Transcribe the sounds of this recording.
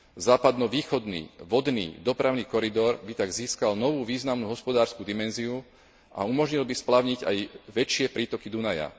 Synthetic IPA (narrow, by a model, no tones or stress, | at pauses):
zaːpad̪nɔʋiːxɔd̪nḭːʋɔd̪nḭːd̪ɔpɾaʊniːkɔɾid̪ɔɾbit̪aɡziːskalnɔʋuːʋiːznamnuːɦɔspɔd̪aːɾskud̪imɛnziu | a̰umɔʒɲilbisplaʊɲiɟa̰jʋɛt͡ʃɪɛpɾiːt̪ɔkid̪unaja̰